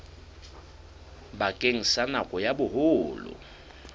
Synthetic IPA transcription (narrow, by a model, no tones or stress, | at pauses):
bakʼeŋ̩sanakʼɔjabʊhoːlʊ̰